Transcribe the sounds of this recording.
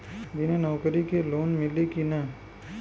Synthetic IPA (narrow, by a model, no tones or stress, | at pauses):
bɪnenɔːkəɾikeloːnmɪlikinɐ